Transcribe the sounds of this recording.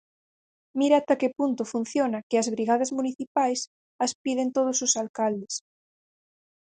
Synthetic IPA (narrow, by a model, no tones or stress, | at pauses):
miɾat̪akepunt̪ʊfun̟θjonakɪazβɾiɣaðazmuniθipajs | ɐspið̞ent̪oð̞osʊsalkald̪es